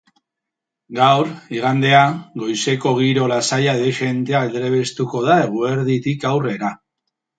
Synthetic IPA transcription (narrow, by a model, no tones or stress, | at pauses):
ɡawɾiɣ̞and̪e̞aɡo̞jse̞ko̞ɣ̞iɾo̞lasajaðeʃe̞nt̪e̞aeld̪ɾe̞βe̞st̪uko̞ð̞ae̞ɣ̞ue̞ɾðit̪ikawre̞ɾa